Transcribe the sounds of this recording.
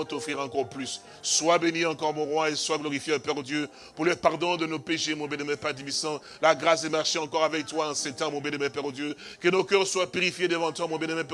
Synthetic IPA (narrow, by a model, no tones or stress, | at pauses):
t̪ɔfʁiʁɑ̃kɔʁplysː | wabeniʁɑ̃kɔʁmɔ̃ʁwɛ̃eswaɡlɔʁifjeəpɛʁd̪jø | puʁləpaʁd̪ɔ̃d̪ənopeʃemɔ̃bɛ̃nɛmɛ̃pad̪ibisɑ̃ | laɡʁasɛmaʁʃeɑ̃kɔʁavɛk̚t̪waɑ̃sɛ̃t̪ɑ̃mɔ̃bɛnɛmɛ̃pɛʁd̪jøkənokœʁswapyʁifjed̪əvɑ̃t̪wamɔ̃bjɛ̃nɛmɛ̃pɛ